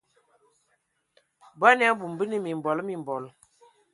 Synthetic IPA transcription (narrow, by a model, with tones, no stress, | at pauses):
ba˦n˦a˦bu˨mbi˦ni˦mi˨m˨bɔ˨lmi˨m˨bɔ˨l